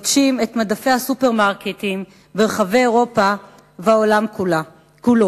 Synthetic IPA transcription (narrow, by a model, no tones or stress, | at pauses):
dʃime̞t̪madafe̞hasupe̞ʁmaʁket̪im | beʁeχave̞joʁo̞pa | veaolam | kulo